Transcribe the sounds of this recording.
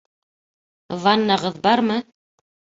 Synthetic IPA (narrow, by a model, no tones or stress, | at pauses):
vɑnːɑʁɤðbɑɾmɤ